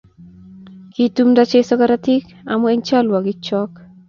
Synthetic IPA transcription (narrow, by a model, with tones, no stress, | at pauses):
ki˦tu˦mda˦t͡ʃesɔ˦kaɾati˦k | a̰˨mɔ˦e˦ɲt͡ʃa˦lwa˨ɡɪt͡ʃɔk